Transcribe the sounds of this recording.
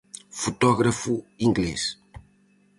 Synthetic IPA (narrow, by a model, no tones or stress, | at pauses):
fut̪ɔɣɾɐfuĩŋɡles